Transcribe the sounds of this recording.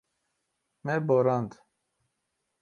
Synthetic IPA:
mɛboɾɑnd̪

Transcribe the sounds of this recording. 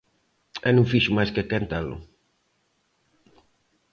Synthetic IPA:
ɛnũŋfiʃʊmajskekent̪alʊ̰

